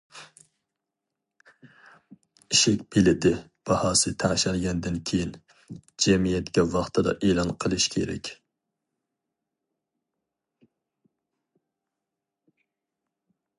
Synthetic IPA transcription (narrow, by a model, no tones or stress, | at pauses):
iʃɛkʲbelɪd̪ɪ | b̥ɑhɑːsɨt̪ʰæŋʃælɡʲɛnd̪ɪnkʲʰejin | d͡ʒɛmijɛt̪ɡʲɛwɑχt̪ʰɨd̪ɑ̰ʔeːlˠɑnqʰəlˠɨʃkʲʰeɾɛ̰kʲ